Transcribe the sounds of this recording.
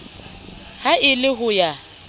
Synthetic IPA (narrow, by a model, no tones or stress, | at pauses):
haɪlɪɦʊja